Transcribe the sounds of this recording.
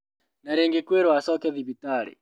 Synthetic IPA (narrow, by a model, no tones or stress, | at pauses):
naɾeŋɡekweɾwasɔkɛðiβitaɾḭ